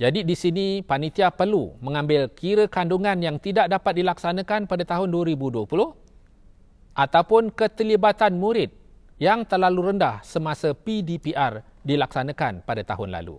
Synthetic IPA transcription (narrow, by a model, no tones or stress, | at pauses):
d͡ʒadidisinipanit̪iapərlumə̃ŋãmbɪlkʰiɾəkanduŋãnjaŋt̪idaʔ̚dapat̪̚dilaksanãkanpadat̪aɦʊnduəɾibuduəpulʊh | ʔat̪awpʊnkət̪əlibat̪anmũɾɪt̪̚ | jaŋt̪ərlaluɾəndahsəmasəpidipiʔar | dilaksanãkanpadat̪a̰ɦʊnla̰lṵ